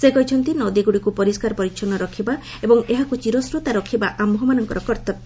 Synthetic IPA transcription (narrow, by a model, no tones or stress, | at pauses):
seɡɔjt͡ʃʰɔnt̪inɔd̪iɡuɽikupɔɾiskaɾɔpɔɾiʃʰɔnɔɾɔkʰiba | ebɔŋeɦakut͡ʃiɾɔsɾut̪aɾɔkʰibaʔamɦɔmanɔŋkɔɾɔkɔɾt̪ɔ